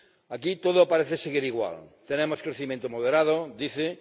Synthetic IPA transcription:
akit̪oðopaɾeθeseɣiɾiɣwa̰lt̪enemoskɾeθimjẽnt̪omoð̞eɾaðod̪iθe

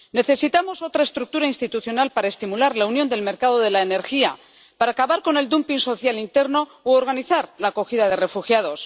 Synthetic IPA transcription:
ne̞θe̞sit̪amo̞so̞t̪ɾaest̪ɾuk̚t̪uɾainst̪it̪uθjo̞nalpaɾae̞st̪imulaɾlaunjo̞nd̪e̞lme̞ɾkað̞o̞ðe̞laene̞ɾxia | paɾaːkaβaɾko̞ne̞ld̪umpiŋso̞θjalint̪e̞ɾno̞ooɾɣ̞aniθaɾlaːko̞xiðaðe̞re̞fuxjað̞o̞s

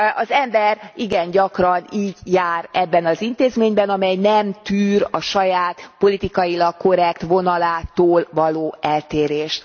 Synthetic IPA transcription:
ɒzɛmbɛriɡɛnɟɒkrɒniːɟjaːɾɛbːɛnɒzint̪eːzmeːɲbɛnɒmɛjnɛmt̪yːɾɒʃɒjaːt̪po̞lit̪ikɒjilɒkko̞ɾɛkt̪ʋo̞nɒlaːt̪oːlvɒloːɛlt̪eːɾeːʃt̪

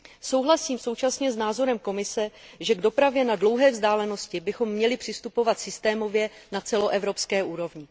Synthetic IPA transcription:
so̞wɦlasiːmso̞wt͡ʃasɲɛznaːzo̞ɾɛmko̞mɪsɛʒɛɡdo̞pɾavjɛnadlo̞wɦɛːvzdaːlɛno̞scɪbɪxo̞mːɲɛlɪpr̥ɪst̪upo̞vat̪sɪst̪ɛːmo̞vjɛnat͡sɛlo̞ʔɛvɾo̞pskɛːʔuːɾo̞vɲɪ

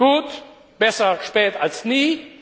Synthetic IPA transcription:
ɡ̥uːt | b̥ɛsɐʃpɛːtalsniː

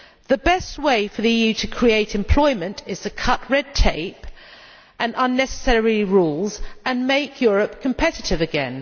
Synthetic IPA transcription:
ðəbɛst̚weɪfəðiijʉtʰəkʰɹ̥ieɪtɪ̃mpʰl̥ɔɪmə̃ntɪz̥tʰəkʰʌʔɹɛd̚tʰeɪp | ʔə̃nə̃nːɛsə̥sɛɹiɹuːlˠzə̃nmeɪkʰjɔːɹəp̚kʰə̃m̩pʰɛtɪtɪvɨɡɛ̰̃n

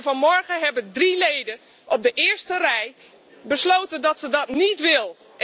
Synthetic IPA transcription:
vɑnmɔɹχənɦɛbəndrilejdə | ʔɔb̚dəʔɪːɹstərɛj | bəslowtəndɑtsədɑtnitʋɪlˠ | ʔ

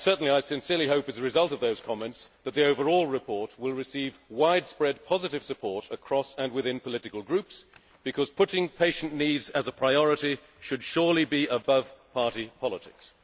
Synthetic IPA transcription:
sɜ˞ʔn̩liaɪsɨ̃nsɪɹliɦoʊpɨzɨɹɨzʌlˠtʌvðoʊz̥kʰɑmɛ̃ntsðɨt̪̚ðioʊvə˞ɔlˠɹɨpʰɔɹt̚wɪlˠɹɨsivwaɪdspɹɛd̚pʰɑzɨɾɨv̥sɨpʰɔɹɾəkʰɹ̥ɔsɨ̃nwɨðɪ̃npʰəlɪɾɨkəlˠɡɹʉps | b̥ɨkʰʌz̥pʰʊɾɪ̃ŋpʰeɪʃn̩nidzɨzəpʰɹ̥aɪɔɹɨɾi | ʃɨd̥ʃʊɹlˠibiəbʌv̥pʰɑɹɾipʰɑlˠətʰɪ̰ks

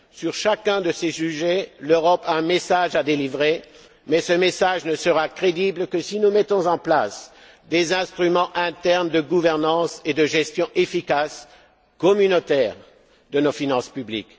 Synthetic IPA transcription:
syʁʃakɛ̃d̪əsesyʒɛløʁɔpaɛ̃mesaʒad̪elivʁe | mɛsəmesaʒnəsəʁakχed̪iblkəsinumɛt̪ɔ̃zɑ̃plas | d̪ezɛ̃st̪χymɑ̃ʔɛ̃t̪ɛʁnd̪əɡuvɛʁnɑ̃sed̪əʒɛst̪jɔ̃ʔefikas | kɔmynot̪ɛːʁ | d̪ənofinɑ̃spyblḭk

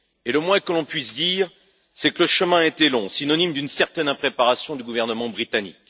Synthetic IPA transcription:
eləmwɛ̃kəlɔ̃pɥisd̪iːʁ | sɛkələʃəmɛ̃et̪ɛlɔ̃sinɔnimd̪ynsɛʁt̪ɛnɛ̃pχepaʁasjɔ̃d̪yɡuvɛʁnəmɑ̃bʁit̪anḭk

